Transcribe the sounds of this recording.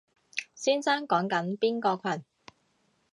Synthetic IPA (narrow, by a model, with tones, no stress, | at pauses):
siː˥nsaː˥ŋkɔː˨˥ŋkɐ˨˥npiː˥nkɔː˧kʷʰɐ˨˩n